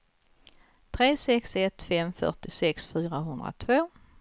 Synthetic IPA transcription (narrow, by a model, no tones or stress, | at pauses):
t̪ʰɾeːsɛksɛt̪ːfɛmfœ̰ʈɪsɛksfyːɾaɦɵnd̪ɾa̰t̪ʰvoː